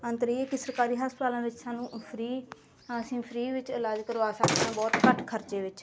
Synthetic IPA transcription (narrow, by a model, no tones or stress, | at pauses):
ə̃nt̪ɾiːeːkisəɾkaːɾiːɦaːspət̪aːlãːʋɪt͡ʃsaːnũːpʰɾĩː | əsĩːpʰɾiːʋɪt͡ʃəlaːd͡ʒkəɾʋaːsəkd̪ãːbɔːt̪kəʈʰkʰəɾt͡ʃeːʋɪt͡ʃ